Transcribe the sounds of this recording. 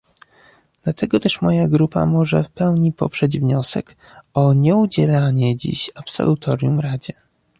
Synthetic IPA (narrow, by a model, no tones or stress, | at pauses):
d̪lat̪ɛɡɔt̪ɛʂmɔjaɡɾupa̰mɔʐɛfpɛwɲipɔpʂɛd͡ʑvɲɔsɛ̰k | ɔɲɛud͡ʑɛlaɲɛd͡ʑḭɕapsɔ̰lut̪ʰɔɾʲjumɾad͡ʑɛ